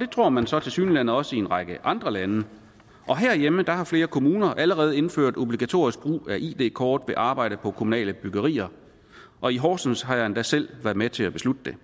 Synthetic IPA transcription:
ɒd̥e̝t͡sʰʁo̝ɐ̰mænsɒ̽t͡sʰe̝lsy̰ːnilænð̩ˠɒ̽səienʁɑ̈ɡ̥əʔɑ̈nd̥ʁɐlænə | ʔɒ̽ɦæɐ̰jeməd̥ɑ̈hɑ̈fle̝ːɐkʰo̝muːnɐʔæləʁɛːð̩ˠe̝nfø̰ɐ̰d̥o̝b̥liɡ̥æt͡sʰo̝̰ɐ̰isɡ̥̚b̥ʁṵːæʔḭːd̥e̝̰ːkʰɒːd̥ʋe̝ʔɑ̈ːb̥ɑ̈ɪ̰ɾ̥əpʰɒ̽kʰo̝munɛ̰ːləb̥yɡ̥ɐʁḭːɐ | ʔɒ̽iɦɒːsn̩shɑ̈jnd̥æsel̰ʋæɐðˠmet͡sʰe̝æb̥e̝slud̥əd̥e̝

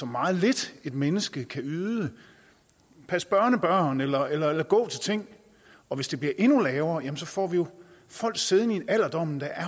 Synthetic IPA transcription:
sɒ̽mːɑ̈ːð̞̩ˠle̝d̥e̝d̥menəsɡ̥əkʰæyːðˠə | pʰæsb̥ɶɐnəb̥ɶɐ̰nelɐelɐelɐɡ̥ɔ̰̽ːt͡sʰe̝lt͡sʰe̝ŋ̰ | ɒ̽ʋe̝sd̥e̝b̥liɐʔe̝nulɛːʊɐːjæmn̩sɒ̽fɒ̰ːʋijo̝ | fɒ̽l̰ɡ̥se̝ð̞ˠnieæl̰ɐd̥ɒ̽m̰n̩d̥æʔæɐ

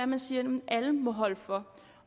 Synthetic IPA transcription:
æmænsiːɐnmnʔæləmɒ̽ɦɒ̽l̰fɒ

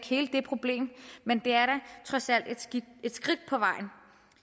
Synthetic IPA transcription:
ɡ̥he̝ːləd̥e̝pʰʁo̝b̥le̝̰ːmmend̥e̝æɐɾæt͡sʰʁɒ̽sæl̰d̥e̝d̥sɡ̥i̥e̝d̥sɡ̥ʁid̥̚pʰɒ̽ʋɑ̈ɪ̰n̩

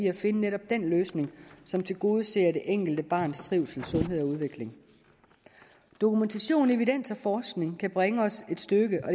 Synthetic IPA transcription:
iæfe̝nəneɾɒ̽b̥̚d̥en̰løːsne̝ŋsɒ̽mt͡sʰe̝lɡ̥o̝ːð̞ˠse̝̰ːɐɾ̥e̝ʔeŋ̰ɡ̥l̩d̥əb̥ɑ̈ːnst͡sʰʁiʊ̰sl̩sɔ̽nɦe̝ð̞̰ˠɒ̽uð̞ˠʋe̝ɡ̥le̝ŋ | d̥o̝kʰument͡sʰæɕo̝̰ːne̝ʋiden̰sɒ̽fɒːsɡ̥ne̝ŋkʰæb̥ʁeŋəɒ̽se̝d̥sd̥øɡ̥əʔɒ̽d

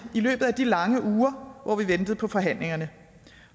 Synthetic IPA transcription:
ilø̰ːb̥ð̩ˠæd̥ilɑ̈ŋəʔuːɐʋʔɒ̰ʋiʋend̥ð̩ˠpʰɒ̽fɒ̽ɦæn̰le̝ŋɐnə

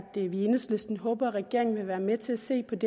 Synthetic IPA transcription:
d̥əʋienəslesd̥n̩ɦɔ̽ːb̥ɐʁɛɡɡ̥e̝ɐ̰eŋn̩ʋe̝ʋæːɐmet͡sʰe̝læse̝̰ːpʰɒ̽d̥e

